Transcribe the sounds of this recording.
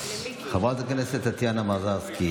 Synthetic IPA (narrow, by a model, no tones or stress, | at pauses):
xɐbaːt̪ɐkɐneset̪ɐt̪ʰijaːnɐmaːzaːski